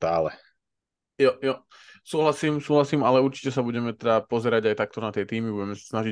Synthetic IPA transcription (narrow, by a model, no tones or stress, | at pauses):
t̪aːlɛ | jɔjɔ | suːɦlasiːmsuːɦlasiːmalɛuɾt͡ʃi̥cɛsabuɟɛmɛt̪ɛd̪apɔzɛɾaɟajt̪ak̚t̪ɔnat̪ɪɛt̪iːmibuɟɛmɛsḁsnaʒi